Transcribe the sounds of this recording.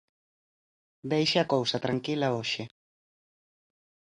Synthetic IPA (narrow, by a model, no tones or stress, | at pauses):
d̪ejʃaakowsɐt̪ɾaŋkilɐoʃɪ